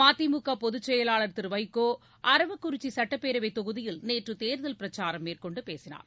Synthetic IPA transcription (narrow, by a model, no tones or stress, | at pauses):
maːt̪imʊkːɐpɔðɯt͡ʃːɛjɐlaːɭɐɾt̪ɪɾʋɐɪkːoː | ʔɐɾɐʋɐkːʊɾɪt͡ʃːisɐʈːɐpːeːɾɐʋɐɪt̪ːɔɣɯðɪjɪlneːʈrɯt̪eːɾðɐlpɪɾɐt͡ʃːaːɾɐmːeːrkɔɳɖɯpeːsɪna̰ːɾ